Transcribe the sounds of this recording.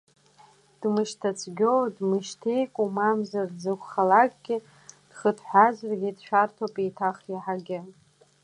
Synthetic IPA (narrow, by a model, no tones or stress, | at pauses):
d̥mɨʃtʰat͡sʼʰɡʲowdmɨʃtʰejkʷʼumamzarzɨkʷʰχalakʼɡ̥ʲɪ | d̥χətʰħʷazrɡʲidʃʷᶣartʰopʼitʰaχiħaɡʲɪ